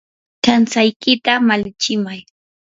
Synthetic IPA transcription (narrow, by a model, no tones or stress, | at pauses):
t͡ʃansajkɪt̪amalɪt͡ʃɪmaj